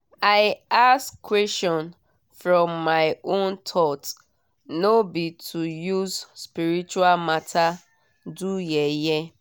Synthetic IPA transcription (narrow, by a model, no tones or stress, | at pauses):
aɪaskwɛst͡ʃɔ̃n | fɹɔ̃mːaɪõntʰɔt | nobitʰujuzspiɾit͡ʃualmatʰa | dujeje